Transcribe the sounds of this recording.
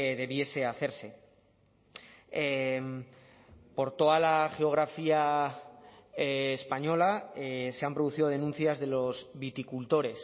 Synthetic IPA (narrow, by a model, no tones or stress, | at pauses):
ðe̞βje̞se̞aθe̞ɾse̞ | em | po̞ɾt̪o̞ðalaxe̞o̞ɣ̞ɾafia | eːspaɲo̞laese̞ampɾo̞ð̞uθiðo̞ð̞e̞nũn̟θjazðe̞lo̞zβit̪ikult̪o̞ɾe̞s